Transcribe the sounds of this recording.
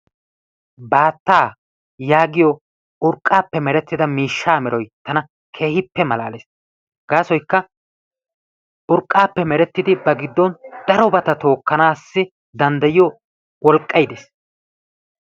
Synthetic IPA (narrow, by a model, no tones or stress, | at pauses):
baːt̪ːaː | jaːɡɪjɔ | ʔʊɾkʼːaːpːɛmɛɾɛt̪ːɪd̪ɐmiːʃːaːmɛɾɔjt̪ɐnɐ | kʰe̞ːhɪpːɛmɐla̰ːleːs | ɡ̥aːsɔjkːɐ | ʔʊɾkʼːaːpːɛmɛɾɛt̪ːɪd̪ɪbɐɡɪd̪ːɔnd̪̥ɐɾɔbɐt̪ɐt̪o̞ːkːɐnaːsːɪ | d̪ɐnd̪ɐjɪjɔ | wɔlkʼːɐjd̪eːs